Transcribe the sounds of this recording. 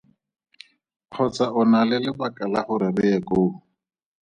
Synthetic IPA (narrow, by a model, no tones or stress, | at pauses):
q͡χʰɔt͡saʊnalɪlɪbakʼalaχʊɾɪrɪɛkoː